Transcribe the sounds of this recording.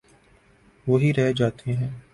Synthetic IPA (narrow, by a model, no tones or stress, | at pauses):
ʋoɦiɾɛɦed͡ʒaːt̪ʰeɦɛ̃ː